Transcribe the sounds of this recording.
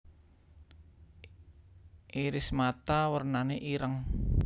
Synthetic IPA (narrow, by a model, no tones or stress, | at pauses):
ʔiɾɪsmat̪awərnaneʔiɾəŋ